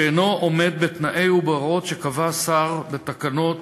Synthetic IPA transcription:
eno̞ome̞d̪̚bet̪naʔe̞jubeʁo̞tʃekavasaʁbet̪akano̞t̪

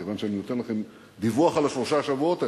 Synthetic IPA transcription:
evanʃeaninot̪e̞nlaχe̞m | d̪ivuaχalefoʃaʃavuo̞t̪a

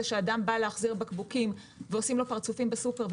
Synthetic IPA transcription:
eʃeadambaleaχziʁbekbukim | veo̞simlo̞paʁt͡sufimbesukeʁv

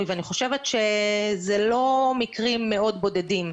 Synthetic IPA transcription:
iveaniχo̞ʃevetʃezelo̞mikʁimːeo̞dbo̞dedim

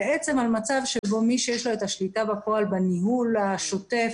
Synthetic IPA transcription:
eʔet͡se̞malmat͡savʃebomiʃejeʃloet̪aʃlitabapo̞albaniɦulaʃo̞t̪e̞f

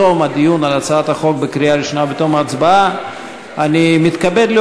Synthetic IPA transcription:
omad̪ijunalat͡saat̪haχo̞k̚bekɾijaɾiʃonabet̪omaːt͡sbaa | animit̪kabed̪li

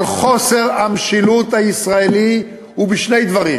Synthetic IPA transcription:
lχo̞se̞ʁamʃilut̪haisʁaeli | hubiʃnejd̪vaʁi

